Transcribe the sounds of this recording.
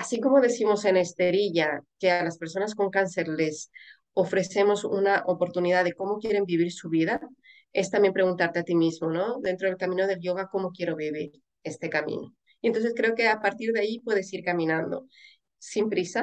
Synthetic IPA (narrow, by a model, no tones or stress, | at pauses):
asiko̞mo̞ðeθimo̞se̞ne̞st̪e̞ɾiʎake̞alaspe̞ɾs̬o̞nasko̞ŋkanse̞ɾle̞s | o̞fɾe̞θe̞mo̞sṵnaʔo̞po̞ɾt̪uniðaðe̞ko̞mokje̞ɾe̞mbiβ̞iɾsuβiða | e̞st̪amje̞mpɾe̞ɣunt̪aɾt̪e̞at̪imizmo̞no̞d̪e̞nt̪ɾo̞ð̞e̞lkamĩno̞ðe̞lʝo̞ɣ̞ako̞mo̞kje̞ɾo̞βiβ̞iɾ | e̞st̪e̞kamḭ̃no̞ | ent̪onsθeskɾeoke̞apaɾt̪iɾðeaipweð̞e̞siɾkamĩnãnd̪o̞̰ | simpɾisa